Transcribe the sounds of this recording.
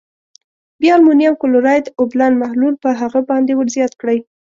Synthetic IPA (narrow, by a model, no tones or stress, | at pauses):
bjɑlmunijamkʊlʊɾɑjd̪əʊblanmahlulpəɦaɣəbɑnd̪ewəɾzjɑt̪kɽəj